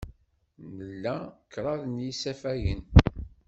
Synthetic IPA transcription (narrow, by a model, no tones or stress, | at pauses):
nəlːækːɾˤɑðnjisæfæjən